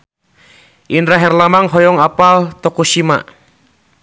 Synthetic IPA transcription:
ʔinɾaɦɛrlamaŋɦɔjɔŋapalt̪ɔkuʃima̰

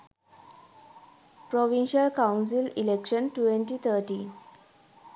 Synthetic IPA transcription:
pɾoʋinɕəlkãʊns̬ililekʃənʈuʋẽɳʈit̪ʰəɾʈi

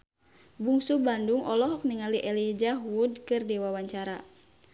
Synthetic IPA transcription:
buŋsubanduŋʔɔlɔɦɔk̚niŋaliʔɛlid͡ʒaɦudkɨrdiwawaɲt͡ʃaɾa

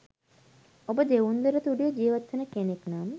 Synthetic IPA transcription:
obəd̪eʋund̪əɾət̪uɖijəd͡ʒiːʋɐt̪ʋənəkeneknaːm

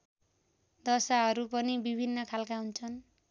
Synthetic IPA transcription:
d̪ʌsaɦʌɾupʌnibibʱinːʌkʰalkaɦunt͡sʰʌn

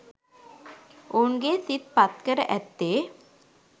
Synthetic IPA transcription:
unɡesit̪̚pat̪kəɾʔɛ̰t̪ːe

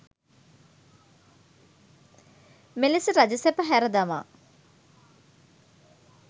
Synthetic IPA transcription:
melisəɾad͡ʒəsɛpəɦæɾəd̪ama̰ː

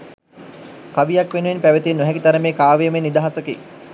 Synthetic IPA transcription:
kaʋijɐkʋenuʋenpæʋət̪inːɔɦɛkit̪ɐɾəmeːkaːʋejəmenːid̪aɦasəkḛ

